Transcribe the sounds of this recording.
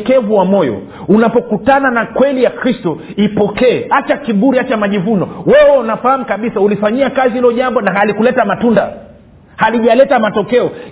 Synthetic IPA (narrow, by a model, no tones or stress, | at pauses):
kɛvuwamɔjɔ̰ | unapɔkutananakwɛlijakɾistɔ | ipɔkɛːat͡ʃakiɓuɾiat͡ʃamaʄivunɔwɛwɛnafahamukaɓisaulifaɲiakazihilɔʄambɔnaɦalikulɛtamatunda̰ | haliʄalɛtamatɔkɛɔ